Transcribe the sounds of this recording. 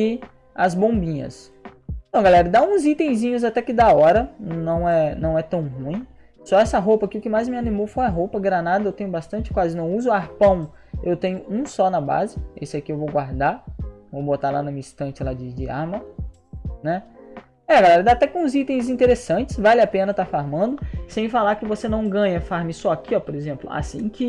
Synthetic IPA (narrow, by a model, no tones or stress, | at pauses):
ɪ | ɐzbõbĩɲɐ̰s | t̪ɐ̃w̃ɡalɛɾɐd̪aũzit̪ẽj̃zĩɲʊzat̪ɛkɪd̪aɔɾɐ̃nɐ̃w̃ɛnɐ̃w̃ɛt̪ɐ̃w̃ɦũj̃ | sɔɛsɐɦowpɐkɪʊkɪmajzmɪanimowfojɐɦowpɐɡɾanad̪ɐewt̪ẽɲʊbast̪ɐ̃nt͡ʃɪ̥kwazɪnɐ̃w̃uzʊaɾpɐ̃w̃ | ewt̪ẽɲʊũsɔnɐba̰zɪḛsɪɛkɪewvowɡwaɾd̪avowbot̪alanɐmĩist̪ɐ̃nt͡ʃɪlad͡ʒɪd͡ʒɪa̰ɾmɐ | nɛ | ɛɡalɛɾɐd̪at̪ɛkõũzit̪ẽj̃zĩt̪eɾesɐ̃t͡ʃɪ̥svalɪapẽnɐt̪aɾfaɾmɐ̃nd̪ʊsẽj̃falaɾkɪvosenɐ̃w̃ɡɐ̃ɲɐfaɾmɪsɔakiɔpoɾezẽmplʊ̰a̰sĩkɪ